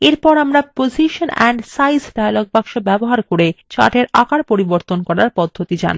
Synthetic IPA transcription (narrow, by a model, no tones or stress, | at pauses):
eɾpɔɾamɾapod͡ʑiʃonɛ̰ɳɖsajsɖajaloɡ̚bakʃobɛboɦaɾkoɾet͡ɕa̰ʈeɾa̰kaɾpoɾiboɾt̪onkɔɾaɾpɔd̪ʱːot̪id͡ʑa̰n